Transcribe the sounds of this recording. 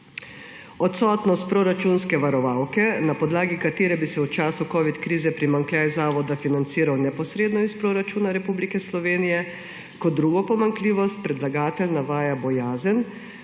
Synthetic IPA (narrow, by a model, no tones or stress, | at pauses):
ɔt̪sɔːt̪nɔst̪̚pɾoɾat͡ʃuːnskɛʋaɾɔʋaːwkɛnapɔd̪laːɡikat̪eːɾɛbisɛut͡ʃaːsukɔːʋit̪kɾiːzɛpɾimaŋklʲjajzaːʋɔd̪afinant̪siːɾawnɛpɔsɾeːd̪nɔispɾoːɾat͡ʃuːnaɾɛpublikɛslɔʋeːnijɛ | kɔd̪d̪ːɾuːɡɔpɔmaŋkliːʋɔst̪̚pɾɛd̪laɡaːt̪ɛlnaʋaːjabɔjaːzən